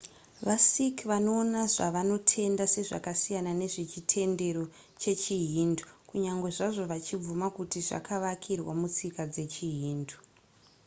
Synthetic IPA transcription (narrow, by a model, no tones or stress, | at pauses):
ʋasikʋano̞ːnaʐaʋano̞tʰe̞ndase̞ʐa̰kasijanane̞ʐet͡ʃitʰe̞nde̞ɾo̞ | t͡ʃe̞t͡ʃiɦindu̥kuɲaŋɡwe̞ʐaʐo̞ʋat͡ʃib͡vumakutiʐa̰kʰaʋakʰirwa̰mut͡sikad͡ze̞t͡ʃiɦiːndu̥